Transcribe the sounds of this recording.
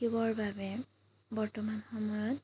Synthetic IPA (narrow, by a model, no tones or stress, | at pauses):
kibɔɹbabɛ | bɔɹtɔmanxɔmɔjɔt